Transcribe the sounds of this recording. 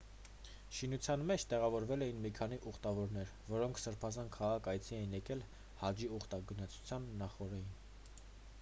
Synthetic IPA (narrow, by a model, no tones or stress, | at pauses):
ʃinut͡sʰjɑnmɛt͡ʃʰt̪ɛʁɑvɔɾvɛlɛjinmikʰɑniʔuχt̪ɑvɔɾnɛɾ | vɔɾɔŋkʰsəɾpʰɑzɑnkʰɑʁɑkɑjt͡sʰiɛjinjɛkɛl | hɑd͡ʒiuχt̪ɑɡənɑt͡sʰu̥t͡sʰjɑnːɑχɔɾɛjin